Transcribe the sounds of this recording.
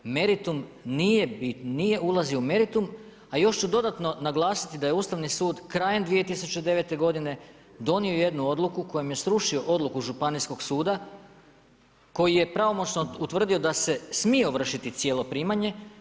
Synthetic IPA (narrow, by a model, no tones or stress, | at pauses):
me̞ɾit̪umnije̞binije̞ulˠazioume̞ɾit̪um | ajo̞ʃt͡ʃud̪o̞d̪at̪no̞naɡlˠaːsi̥t̪id̪aje̞uːst̪aʋnisuːd̪kɾajend̪ʋije̞t̪isut͡ʃe̞d̪e̞ʋe̞t̪e̞ɡo̞d̪ine̞d̪o̞nio̞je̞d̪nuo̞d̪lˠukuko̞jemje̞sɾuʃio̞ʔo̞d̪lˠukuʒupanisko̞ɡsuːd̪a | ko̞jije̞pɾaʋo̞mo̞t͡ɕnout̪ʋr̩d̪io̞d̪ase̞smio̞ʋr̩ʃit̪it̪sjelˠo̞pɾiːmaɲe̞